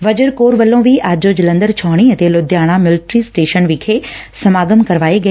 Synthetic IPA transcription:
ʋɐd͡ʑəɾkoːɾʋɐlːõʋiʔaːd͡ʑoːd͡ʑɪlɐ̃nd̪əɾt͡ɕʰɔɦɽ̃iɐt̪elʊd̪ʱjaːɽ̃ãmɪlʈɾisʈeːʃənʋikʰeːsɐmaːɡəmkɐɾʋaːeɡɐ

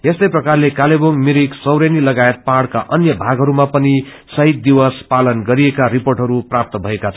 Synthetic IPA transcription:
est̪ʌjprʌkarlekaleboŋmiɾiksʌwɾenilʌɡaet̪̚paɽkaʔʌnjʌbʱaɡɦʌɾumapʌni | sʌɦit̪̚d̪iwʌspalʌnɡʌɾiekaɾiporʈɦʌɾuprap̚t̪ʌbʱʌekat͡sʰ

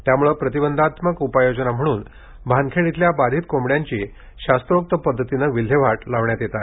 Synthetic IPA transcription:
t̪jamuɭəpɾət̪ibənd̪ʱat̪məkupajod͡ʑnam̤əɽ̃uːn | bʱankʰeɭit̪ljabad̪ʱiːt̪komɽjaɲt͡ɕiː | ɕast̪ɾok̚t̪əpəd̪ʱːət̪inəʋil̤ʱeʋ̤aʈlaʋɳjat̪jet̪a

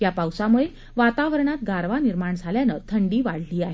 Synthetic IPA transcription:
japawsamuɭe | ʋat̪aʋəɾɳat̪ɡaɾʋaniɾmaɳd͡zʱaljanət̪ʰəɳɖiːʋaɽ̤liːaɦe

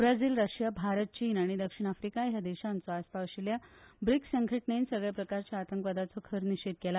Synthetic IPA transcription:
bɾad͡ziːlɾəɕjabʱaɾət̪̚t͡ɕiːnaɽ̃id̪əkʂiɽ̃afɾikajad̪eɕant͡sɔaspaɕiljabɾiksəŋɡʰʱəʈnensəɡɭjapɾəkaɾt͡ɕjaːt̪əŋkʋəd̪at͡sɔkʰəɾniɕiːt̪̚kela

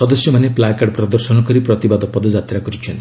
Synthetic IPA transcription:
sɔd̪ɔsjɔmaneplakaɽpɾɔd̪ɔɾsɔnɔkɔɾipɾɔt̪ibad̪ɔpːɔd̪ɔd͡ʒat̪ɾakɔɾit͡ʃʰɔnt̪i

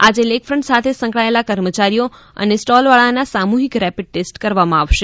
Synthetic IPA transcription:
ad͡ʒelekfɾəɳʈsat̪ʰesə̃ŋkɭaelakəɾmət͡ʃaɾijo | ə̰nesʈɔlʋaɭanasamuɦikɾɛpiɖ̚ʈesʈkəɾʋamãaʋʃe

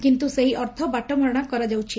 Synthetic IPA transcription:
kint̪useɦiʔɔɾt̪ʰɔbaʈɔmʱɔɾɔɽ̃akɔɾad͡ʒawt͡ʃʰi

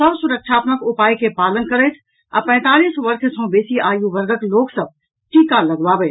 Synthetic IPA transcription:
səbsuɾək̚t͡ʃʰaːt̪məkupajkepalənkəɾət̪ʰ | a̰pɛ̃t̪alisʋəɾkʰsə̃besiaːjubəɾɡʱəkloːksəb̚ | ʈikaləɡbabɛ

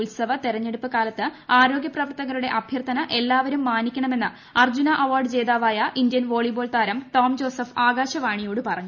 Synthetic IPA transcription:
ulsɐʋɐt̪eɾɐɲːe̞ɽupːɨkaːlɐt̪ːɨaːɾo̞ːɡʲjɐprɐʋɐrt̪ɐɣɐɾuɽe̞ʔɐbʱjɐrt̪ʰːɐnɐʔe̞lːaːʋɐɾumːaːnikʲːɐɳɐme̞nːɨ | ɐrd͡ʑunɐʔɐʋaːrɖɨt͡ɕe̞ːd̪aːʋaːjɐʔind̪jɐnʋo̞ːɭibo̞ːlt̪aːɾɐmt̪oːmd͡ʑo̞ːsɐfaːɡaːɕɐʋaːɳijoːɽɨpɐrɐɲːu

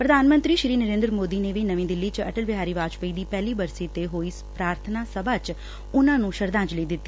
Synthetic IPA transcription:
pɾəd̪ʱaːnmə̃nt̪ɾiːʃɾiːnəɾẽːnd̪ɾmoːd̪iːneːʋiːnəʋĩːd̪ɪlːiːt͡ʃə̰ʈəlbɪɦaːɾiːʋaːd͡ʒpəiːd̪iːpɛːliːbəɾsiːt̪eɦoːispɾaːɾt̪ʰənaːsəbaːt͡ʃ | ʊnãːnũːʃəɾd̪ãːd͡ʒləiːd̪ɪt̪ːiː

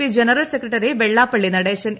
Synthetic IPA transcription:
id͡ʑenɐrɐlsekːrɐʈːɐɾeʋeɭːaːpːɐɭːinɐɽeːɕɐn

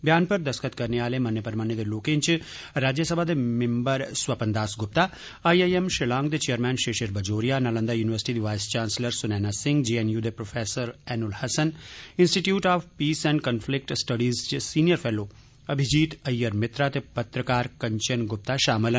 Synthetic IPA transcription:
bjaːnpɐɾd̪ɐskət̪kɐɾneaːlemɐnjəpɐɾmanjed̪eloːkẽnt͡ʃ | ɾaːd͡ʒjəsɐbʱad̪emɪmbəɾswɐpɐnd̪aːsɡʊp̚t̪a | aːiejemʃɪlãːŋɡ̚d̪et͡ʃejəɾmɛ̃ːnʃeːʃɐɾbɐd͡ʒoːɾijanalə̃nd̪ajuːnɪʋəɾsɪ̥ʈid̪iʋaːjst͡ʃaːnsləɾsʊnɛːnasɪ̃ŋɡd͡ʒiːenjud̪epɾoːfʰeːsəɾɛːnʊlhɐsənɪ̃nsʈiʈjuːʈaːʋpiːsɛ̃ːɳɖkɐnfʰlɪk̚ʈsʈɐɖiːzt͡ʃsiːnijəɾfʰeːloː | ɐbʱɪd͡ʒiːt̪ɐjːəɾmɪt̪ɾat̪epɐt̪ɾəkaːɾkɐɲt͡ʃɐnɡʊp̚t̪aʃaːmɪl

